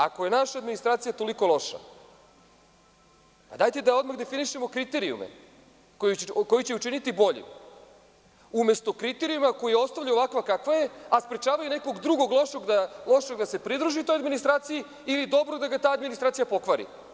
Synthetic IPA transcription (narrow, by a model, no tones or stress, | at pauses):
a̰ko̞je̞naʃaːd̪minist̪ɾaːt̪sijat̪o̞liko̞lo̞ʃa̰ | pa̰d̪ajt̪ed̪ao̞d̪maɣd̪e̞finiʃe̞mo̞kɾit̪eɾiṵmḛ | kojuko̞jut͡ɕeut͡ʃinit̪ibo̞ʎḭm | ume̞st̪o̞kɾit̪eɾijumako̞jijeo̞st̪avʎauoakʋakakʋaje̞aspɾet͡ʃaːʋajune̞ko̞ɡd̪ɾuɡo̞ɡlˠo̞ʃoɡd̪alˠo̞ʃoɡd̪ase̞pɾid̪ɾuʒit̪ojad̪minist̪ɾaːt̪siji | ilid̪o̞bɾod̪aɡat̪aːad̪minist̪ɾaːt̪sijapo̞kʋaɾḭ